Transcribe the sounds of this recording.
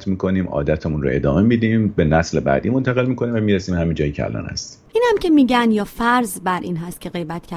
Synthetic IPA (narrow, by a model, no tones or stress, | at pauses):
t̪miːkʰo̞niːmʔɒ̰ːd̪æt̪ʰemunɾo̰e̞̰d̪ɒːme̞mid̪iːmbe̞næslebæ̰d̪iːmo̞nt̪ʰæɣe̞lmiːkʰo̞niːmvæmiːɾæsiːmhæmind͡ʒɒːjecʰɛæ̰lɒ̰ːnhæ̰st̪i̥ | iːnhæmcʰe̞miːɟænjɒːfæɾzbæɾʔḭːnɦæst̪̚cʰʲe̞ɣe̞jbæt̪cʰæ